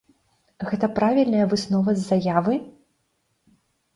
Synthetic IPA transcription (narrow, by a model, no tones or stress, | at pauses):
ɣɛt̪ɐpɾavʲilʲnɐjɐvɨsnɔvɐzːajavɨ